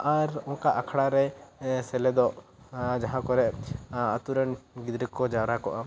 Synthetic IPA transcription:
aɾɔŋkaʔakʰɽaɾɛsɛlɛd̪ɔʔ | d͡ʒaɦãkɔɾɛʔat̪uɾənɡid̪ɾəkɔd͡ʒawɾakɔʔa

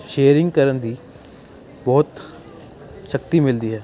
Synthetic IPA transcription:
ʃeːəɾɪ̃ŋɡkəɾənd̪iː | bɔːt̪ | ʃəkt̪iːmɪld̪iːɦɛː

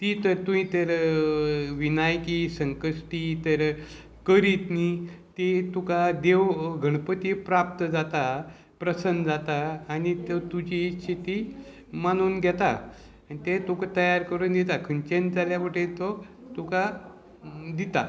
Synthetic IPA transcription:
t̪it̪əɾt̪uɦĩt̪əɾ | ʋinajkisəŋkəʂʈit̪əɾ | kəɾit̪nit̪it̪ukad̪eʋɡʱəɽ̃pət̪ipɾap̚t̪əd͡zat̪a | pɾəsənd͡zat̪aːnit̪t̪ud͡ʑit͡ɕʰit̪i | manuːnɡʱjɛt̪a | anit̪et̪ukat̪əjaɾkəɾuːnd̪ɛt̪akʰənt͡ɕend͡zaljaʋəʈet̪ɔ | t̪uka | d̪it̪a

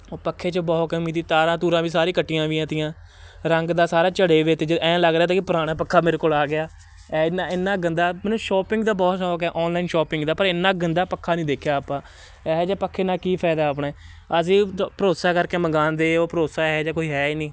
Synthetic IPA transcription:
oːpəkʰːeːt͡ʃəbɔːt̪kəmĩːt̪iːt̪aːɾãːt̪uːɾãːʋiːsaːɾĩːkəʈːijãːʋiːãːt̪ɪjãː | ɾəŋɡd̪aːsaːɾaːt͡ʃəɽeːʋeːt̪eːd͡ʒəɛ̃ːləɡɾeaːt̪aːkipəɾaːɽ̃aːpəkʰːaːmeːɾeːkoːlaːɡɪjaː | ɛːnaːɪnːaːɡənd̪aːmɛːnũːʃɔːpɪ̃ŋɡd̪aːbɔːt̪sɔːkɛːʔɔːnlaːɪnʃɔːpɪ̃ŋɡd̪aːpəɾɪnːãːɡənd̪aːpəkʰːaːnĩːd̪eːkʰjaːaːpãː | ɛːɦɛd͡ʒaːpəkʰːeːnãːkiːpʰaːd̪aːp̬ɽaː | əs̬ĩːpəɾoːsaːkəɾkeːməɡaːnd̪eːoːpəɾoːsaːɦɛːd͡ʒaːkoːiːɦɛːiːniː

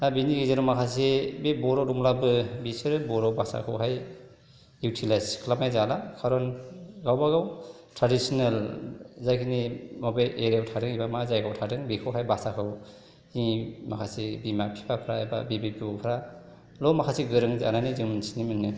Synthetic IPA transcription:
abiniɡizaɾɔmakʰas̬ebebɔɾɔɾumlabɯbisɯɾɯbɔɾɔbasa̰kʰɯwɦaj | utʰilajskʰlamajzalakʰaɾɔnɡawbaɡaw | tʰɾadisɔnalzajkʰinimɔbajʔeɾawtʰadɯŋibamazajkʰawtʰadɯŋbikʰawɦajbasakʰɯw | imakʰasebimapʰi̥pʰapʰɾaaba̰bibip̚ɡipʰɾa | lɔmakʰasiɡɯɾɯŋza̰nanizɯŋmɯnsinimɯnːɯ

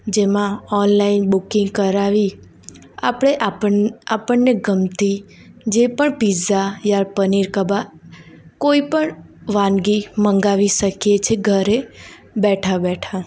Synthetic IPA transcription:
d͡ʒemãɔnlainbukĩŋɡkəɾaʋi | a̰pɽ̃eʔəapəɳneɡəmt̪i | d͡ʒepəɳpizajaɾpəniɾkəba | koipəɳ | ʋãnɡiməŋɡaʋiʃəkjet͡ʃʰeɡʱəɾe | bɛʈʰabɛʈʰa

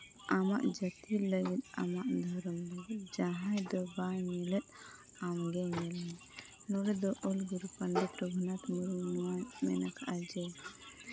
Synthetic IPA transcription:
amaʔd͡ʒət̪iləɡit̪̚a̰maʔd̪ʱɔɾɔmləɡit̪̚d͡ʒaɦãjd̪ɔbajmilɛt̪̚ˀ | amɡɛɲɛlɛ | nɔɾɛd̪ɔʔɔlɡuɾpəɳɖit̪ɾɔɡʱunat̪muɾumanmɛ̰nakʰaʔad͡ʒɛ

